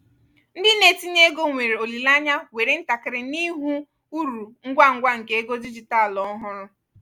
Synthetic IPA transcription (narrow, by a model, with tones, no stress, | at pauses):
n̩˦dɪ˦ne˨ti˦ɲe˦ɡo˦ŋʷe˨ɾe˨o˨li˨la˦ɲa˦we˨ɾe˨˦n̩˦ta˨kɪ˨ɾɪ˨ni˦ɦu˦ | u˦ɾu˨ŋ̩˦ɡʷa˦ŋ̩˦ɡʷa˦ŋ̩˨ke˨˦e˦ɡo˦di˦d͡ʒi˨ta˦˨lɔ˨˦ɦʊ˦ɾʊ˦